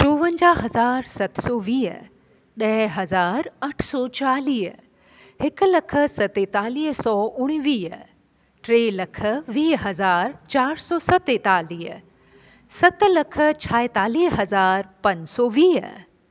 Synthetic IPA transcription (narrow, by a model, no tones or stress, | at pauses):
ʈoːʋə̃ɲd͡ʑaːɦɐzaːɾsɐt̪sɔːʋiːɦə̰ | ɗɐɦɦɐzaːɾɐʈʰsɔːt͡ɕaːliːɦə | hɪk̆lɐkʰə̆sɐt̪eːt̪aːliːɦsɔːʊɽ̃iʋiːɦə | ʈɾeːlɐkʰə̆ʋiːɦɐzaːɾt͡ɕaːɾsɔːsɐt̪eːt̪aːliːɦə̰ | sɐt̪̆lɐkʰə̆t͡ɕʰaːet̪aːliːɦɦɐzaːɾpɐ̃ɲd͡ʑsɔːʋiːɦə̰